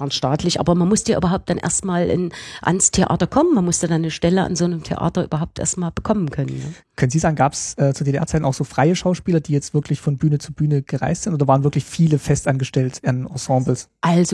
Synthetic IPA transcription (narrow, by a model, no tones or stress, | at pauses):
anʃtaːtʰlɪçʔa̰ːbɐmanmʊstjaːʔy̰ːbɐɦaʊp̚t̚d̥anʔḛːɐstmaːlʔɪ̰nʔa̰nstʰeʔa̰ːtɐkʰɔmənmanmʊsjaːdanːəʃtɛləʔa̰nzoːnəmtʰḛʔa̰ːtɐʔy̰ːbɐɦaʊp̚tʔḛːɐstmaːlb̥əkʰɔmənkʰœnənːə | kʰœnənziːzaːɡŋ̩ɡaːpsʔɛːt͡suːɐdeːdeʔɛ̰ɐt͡saɪn̩aʊxz̥oːfʁ̥aɪəʃaʊʃpiːlɐdiːjɛt͡stv̥ɪɐkʰlɪçfɔnbyːnət͡suːbyːnəɡ̥əʁa̰ɪstz̥ɪntoːdɐvaːʁnvɪɐklɪçfiːləfɛstʔanɡəʃtɛltanɑ̰̃sɑ̃ːbl̩sʔalzo